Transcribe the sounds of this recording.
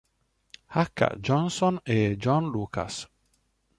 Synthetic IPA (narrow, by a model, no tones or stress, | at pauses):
hakʰːa̰d͡ʒɔnsɔnɛd͡ʒɔnluːkʰa̰s